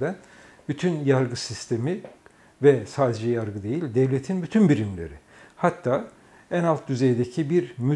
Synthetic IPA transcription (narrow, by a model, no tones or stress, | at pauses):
d̪æn | b̥yt̪ʰynjaɾɡɯsist̪ʰe̞mi | vɛsaːd̪ed͡ʒɛjaɾɡɯd̪e̞jilʲd̪ɛvlʲet̪ʰinbyt̪ʰynbiɾimlʲḛɾi | hat̪ʰːaː | ænalˠt̪̚d̪yzejd̪ecʰibiɾmy